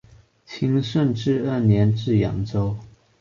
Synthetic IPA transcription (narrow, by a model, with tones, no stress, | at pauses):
t͡ɕʰi˧˥ŋʂə˥˧nʈ͡ʂɻ̩˥˧ə˥˩njɛ˧˥nʈ͡ʂɻ̩˥˩jɑ̰˨˩ŋʈ͡ʂo˥ʊ